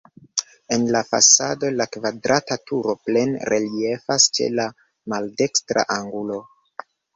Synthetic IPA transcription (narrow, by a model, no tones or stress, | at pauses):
e̞nlafa̰sado̞lakvadɾʔatatuɾo̞ple̞nɾelie̞fast͡ʃe̞̰la | malde̞kstɾa̰ʔaŋɡulo̞